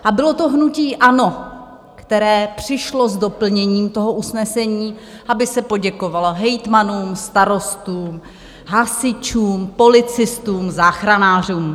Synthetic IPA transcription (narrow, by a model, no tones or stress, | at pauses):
ʔabɪlot̪oɦnuciːʔano̞ | kt̪ɛɾɛːpr̥ɪʃlo̞zdo̞pl̩ɲɛɲiːmt̪o̞ɦoʔusnɛsɛɲiː | ʔabɪsɛpo̞ɟɛko̞valoɦɛjt̪manuːmst̪aɾo̞st̪uːm | ɦasɪt͡ʃuːmpo̞lɪt͡sɪst̪uːmzaːxɾanaːr̝uːm